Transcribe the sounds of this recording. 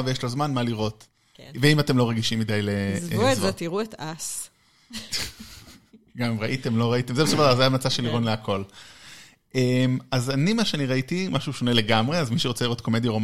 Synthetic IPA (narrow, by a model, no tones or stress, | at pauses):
vejeʃlo̞zmanmaliʁo̞t | veimate̞mlo̞ʁeɡiʃimːidajlezuezetiʁuetas | ɡamimʁaʔitemlo̞ʁaite̞mzebesovaazajamnat͡saʃeliʁonleakʰo̞l | ʔemazanimaʃeaniʁaitimaʃuʃo̞ne̞le̞ɡamʁeazmiʃeʁt͡seliʁo̞tko̞me̞djaom